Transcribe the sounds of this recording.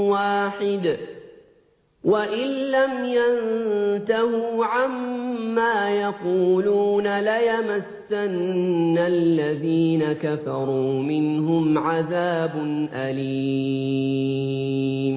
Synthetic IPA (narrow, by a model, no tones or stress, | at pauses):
waːħɪd̪ | waʔɪlːamjant̪ahuːʕamːaːjɑquːluːnalajamasːanːalːaðiːnakafɑɾˤuːmɪnɦʊmʕaðaːbʊnʔaliː | m